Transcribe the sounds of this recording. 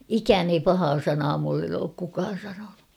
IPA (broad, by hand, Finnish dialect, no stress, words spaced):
ikæːn ei pɑhɑː sɑnɑː mulːen oːk kukɑːn̞ sɑnonu